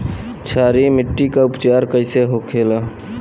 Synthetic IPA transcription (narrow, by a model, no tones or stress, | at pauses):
t͡ʃʰaːɾimɪʈːikaʊpt͡ʃaːɾkəɪseɦokʰela